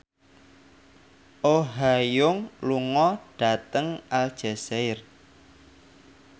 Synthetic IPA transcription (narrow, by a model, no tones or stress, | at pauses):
ʔoɦajʊŋluŋɔɖ̥a̤t̪əŋald̥ʒ̥ɛsɛɪr